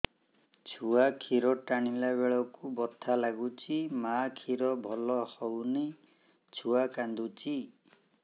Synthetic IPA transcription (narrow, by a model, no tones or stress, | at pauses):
t͡ʃʰuakʰiɾɔʈaɽ̃ilaβeɭɔkubɔt̪ʰalaɡut͡ʃʰimakʰiɾɔbʱɔlɔhɔwni | t͡ʃʰuakand̪ut͡ʃʰi